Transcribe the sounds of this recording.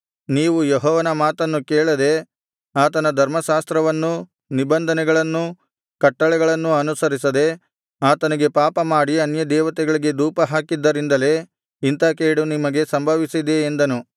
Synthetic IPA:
niːʋujeɦɔːʋɐnɐmaːt̪ɐnːukɛːɭɐd̪e̞ | aːt̪ɐnɐd̪ʱɐɾmɐʃaːst̪ɾɐʋɐnːu | nibɐnd̪ʱɐnɛɡɐɭɐnːu | kɐʈːɐɭɛɡɐɭɐnːuɐnusɐɾisɐd̪e̞ | aːt̪ɐniɡe̞paːpɐmaːɽiɐnjɐd̪ɛːʋɐt̪ɛɡɐɭiɡe̞d̪uːpɐɦaːkid̪ːɐɾind̪ɐle̞ | int̪ɐkeːɽunimɐɡe̞sɐmbʱɐʋisid̪eːnd̪ɐnu

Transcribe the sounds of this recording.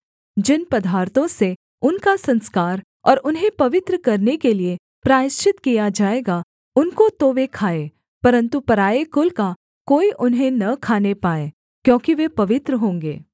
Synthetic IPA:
d͡ʒɪnpɐd̪ʱaːɾt̪õse | ʊnkasɐ̃nskaːɾ | ɔːɾʊnɦẽpɐʋɪt̪ɾəkɐɾnekelie | pɾaːɪʃt͡ʃɪt̪kijad͡ʒaːeːɡa | ʊnkot̪oʋekʰaːe | pɐɾə̃nt̪upɐɾaːekʊlka | koːiʔʊnɦẽnɐkʰaːnepaːeː | kjõːkiʋepɐʋɪt̪ɾəɦõːŋɡeː

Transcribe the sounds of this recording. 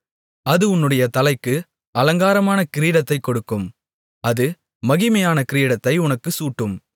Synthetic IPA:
ɐðɯʊnːɯɽɐjɐt̪ɐlɐɪkːɯ | ɐlɐŋɡaːɾɐmaːnɐkɪɾiːɽɐt̪ːɐɪkːɔɽɯkːɯm | ɐðɯ | mɐɣɪmɐjaːnɐkɪɾiːɽɐt̪ːɐɪʊnɐkːɯsuːʈːɯm

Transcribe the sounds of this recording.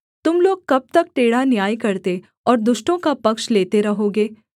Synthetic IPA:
t̪ʊmloːɡ̚kɐb̚t̪ɐk̚ʈeːɽanjaːjkɐɾt̪e | ɔːɾd̪ʊʃʈõkapɐkʃleːt̪eɾɐɦoːɡeː

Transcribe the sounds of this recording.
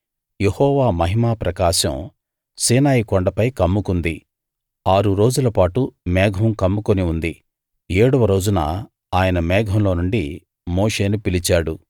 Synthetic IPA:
jehɔːʋaːmɐɦimaːpɾɐkaːʃɐ̰m | siːnaːjikɔɳɖɐpɐjkɐmːukund̪i | aːɾuɾo̞ːd͡ʒulɐpaːʈumɛːɡʱɐmkɐmːukoniund̪i | eːɽuʋɐɾo̞ːd͡ʒunɐ̰ | aːjɐnɐmɛːɡʱɐmlo̞ːnuɳɖi | moːʂe̞ːnupilit͡ʃaːɽu

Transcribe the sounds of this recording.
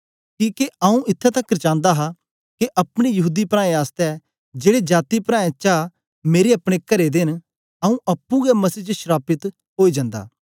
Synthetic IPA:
kĩːkeɐũʔɪt̪ʰːɛt̪ɐkːəɾt͡ʃãːnd̪aɦa | keʔɐpɽ̃ejɐɦuːd̪ipɾãːẽaːst̪ɛ | d͡ʒeːɽed͡ʒaːt̪ipɾãːẽt͡ʃaː | meːɾeɐpɽ̃ekɐɾed̪ɪn | ɐũʔɐpːũɡɛmɐsiːt͡ʃʃɾaːpɪt̪ | ɦoːid͡ʒãːnd̪a̰ː

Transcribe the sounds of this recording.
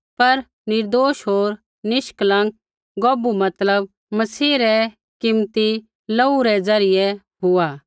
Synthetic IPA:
pɐɾ | nɪɾd̪oːʃɦoːɾ | nɪʃklãːŋ | ɡɔːbumɐt̪ləb̚ | mɐsiːɾɛ | kɪmt̪i | lɐuɾɛd͡zɐɾɪjɛ | ɦʊaː

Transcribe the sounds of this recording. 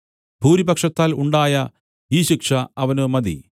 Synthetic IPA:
bʱuːɾibɐkʂɐt̪ːaːluɳɖaːjɐ | iːɕikʂɐɐʋɐnɨmɐd̪ḭ

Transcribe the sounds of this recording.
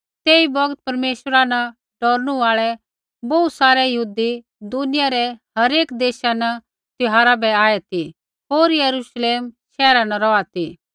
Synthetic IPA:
t̪eːibɐɡt̪̚pɐɾmeːʃəɾanɐ | ɖɔːɾnũaːɭɛ | bɔusaːɾɛjɐɦuːd̪i | d̪ʊnɪjaɾɛɦɐɾeːkd̪eːʃanɐ | t̪ɪɦaːɾabɛaːɛt̪i | ɦoːɾjɐɾuʃleːmʃɛːɾanɐɾɔat̪i

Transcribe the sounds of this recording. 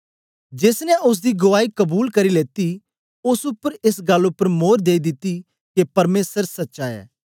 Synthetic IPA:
d͡ʒeːsnɛʔʊs̬d̪iɡʊʋaːikɐbuːlkɐɾileːt̪i | ʊsʊpːəɾɪsɡɐlːʊpːəɾmoːɾd̪eːid̪ɪt̪ːi | kepɐɾmeːsəɾsɐtːʃaːɛ̰ː

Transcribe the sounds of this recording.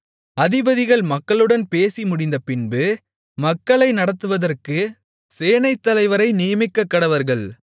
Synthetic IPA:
ɐðɪbɐðɪɣɐɭmɐkːɐɭɯɽɐnpeːsimʊɽɪnd̪ɐpɪnbɯ | mɐkːɐɭɐɪnɐɽɐt̪ːɯʋɐðɐrkɯ | seːnɐɪt̪ːɐlɐɪʋɐɾɐɪnɪjɐmɪkːɐkːɐɽɐʋɐɾɣɐɭ

